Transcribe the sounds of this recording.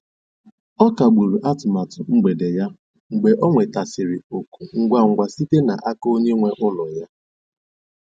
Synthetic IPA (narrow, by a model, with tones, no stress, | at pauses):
ɔ˦ka˨ɡ͡bu˨ɾu˨ʔa˦tʊ˨ma˨tʊ˨ŋ͡m̩˦ɡ͡be˨de˨ja˦ | ŋ͡m̩˨ɡ͡be˨ʔɔ˦ŋʷe˨ta˨sɪ˨ɾɪ˨o˨ku˨ŋ̩˦ɡʷa˦ŋ̩˨ɡʷa˨si˦te˦na˨ʔa˦ko˦ɲe˦ŋʷe˦ʔʊ˦lɔ˨ja˦